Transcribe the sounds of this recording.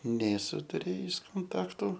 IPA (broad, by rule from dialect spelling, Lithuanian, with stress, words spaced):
nʲeːˈsʊ tʊˈrʲeːjɪs koːnˈtɑːktʊ